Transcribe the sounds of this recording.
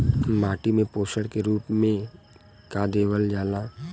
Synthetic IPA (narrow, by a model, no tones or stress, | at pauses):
maːʈimẽpoːʃəɽkeɾuːpmẽ | kaːd̪eːʋəld͡ʒaːla